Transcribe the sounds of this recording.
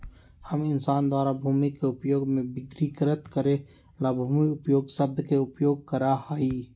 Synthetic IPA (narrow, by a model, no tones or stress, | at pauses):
həmɪnsaːnd̪waːɾabʱuːmikeʊpjoːɡmẽbɪɡɾikɾət̪kəɾẽ | laːbʱuːmiʊpjoːɡsəb̚d̪ʱkeʊpjoːɡ̚kəɾahaiː